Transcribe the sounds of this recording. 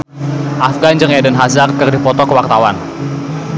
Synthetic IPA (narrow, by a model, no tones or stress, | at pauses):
ʔafɡand͡ʒəŋadənɦazarkərdifɔt̪ɔkəwart̪awan